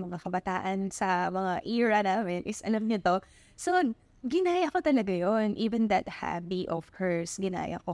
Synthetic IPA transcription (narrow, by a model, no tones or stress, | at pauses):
mɐŋakɐbɐt̪aːʔɐnsɐmɐŋaʔiːɹɐnaːmɪnʔɪsʔɐ̰lɐmɲot̪o | so | ɡɪnaːjɐkot̪ɐlɐɡajonʔiːvɛnd̪ɐt̪̚ha̰biʔɔv̥kʰɛɹsɡɪna̰ːjɐ̰ko